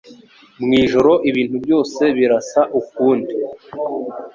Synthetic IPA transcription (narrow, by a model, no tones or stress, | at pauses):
mŋiːʒo̞ɾo̞ʔiβiːnthubjo̞ːse̞βiɾasaʔuk̚uːndi